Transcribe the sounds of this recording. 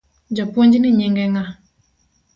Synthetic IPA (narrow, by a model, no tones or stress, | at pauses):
d͡ʒapuond͡ʒiniɲɛŋɡɛŋa